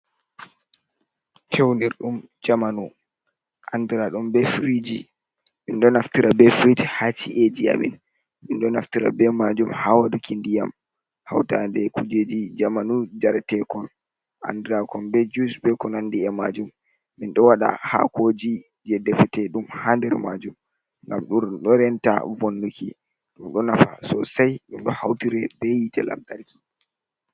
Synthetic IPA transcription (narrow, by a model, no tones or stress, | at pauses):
fewniɾɗum | d͡ʒamanu | ʔandiɾaɗumbɛfɾid͡ʒi | minɗɔnaftiɾabɛfɾithat͡ʃiʔed͡ʒia̰mḭn | minɗɔnaftiɾa̰bɛmad͡ʒumhawadukindijam | ha̰wtandɛkud͡ʒed͡ʒid͡ʒamanud͡ʒaɾtɛkɔn | a̰ndɛɾakɔnbɛd͡ʒusbɛkɔnandiɛmad͡ʒumː | inɗɔwaɗa̰ha̰kod͡ʒi | d͡ʒɛdɛfɛtɛɗumhandɛɾmad͡ʒum | ŋɡamɗuɾɗɔɾɛnta̰vonːuki | ɗumɗɔnafa̰sɔsajɗumɗɔhawtiɾɛbɛjitɛla̰mtaɾki